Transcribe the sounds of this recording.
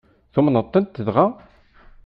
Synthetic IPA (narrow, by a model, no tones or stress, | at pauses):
θumnət̪ˤːənt̪ːəðʁa